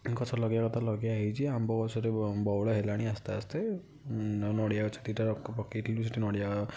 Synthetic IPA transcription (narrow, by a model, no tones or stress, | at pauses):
kɔt͡ʃʰɔlɔɡijakɔt̪ʰalɔɡijaːɦit͡ʃʰiambɔkɔsɔɾebɔwlɔɦelaɽ̃iast̪east̪e | nɔɽijaɔt͡ʃʰɔt̪iʈaɔpɔkiʈʰilbisiʈʰinɔɽija